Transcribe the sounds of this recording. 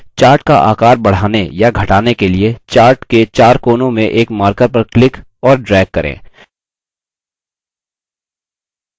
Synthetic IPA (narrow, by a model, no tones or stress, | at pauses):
t͡ʃaːɾʈka̰ʔa̰ːkaːɾbɐɽ̤aːnḛjaɡʱɐʈaːnekeliet͡ʃaːɾʈket͡ʃaːɾkoːnõmẽʔeːkmaːɾkəɾpɐɾklɪk | ɔːɾɖɾɛːɡkːɐɾʔḛ̃ː